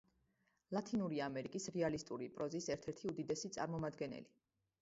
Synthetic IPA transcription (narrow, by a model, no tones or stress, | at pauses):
lˠat̪ʰinuɾiamɛɾikʼisɾɛalist̪ʼuɾipʼɾɔzisɛɾt̪ʰɛɾt̪ʰiud̪id̪ɛsit̪sʼa̰ɾmɔmad̪ɡɛnɛ̰li